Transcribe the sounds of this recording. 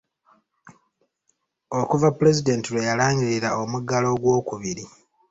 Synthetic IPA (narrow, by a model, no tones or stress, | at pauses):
o̞kuvapuɾe̞zide̞ːntiɾwe̞jalaːɲɡiɾiɾao̞muɡalo̞ːɡwo̞ːkuβiɾi